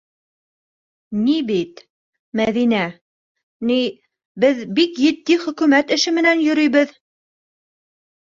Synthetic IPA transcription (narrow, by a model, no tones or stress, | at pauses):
nibit̪ | mæðinæ | ni | bɘðbikjɘ̆t̪ːiχɵ̆kʉmæt̪ɘ̆ʃɘmɘ̆nænjɵ̆ɾɵjβɘð